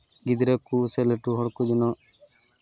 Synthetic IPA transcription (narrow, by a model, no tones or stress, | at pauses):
ɡɪd̪ɾeːkuːseleʈuɦɔɽkud͡ʒnɔː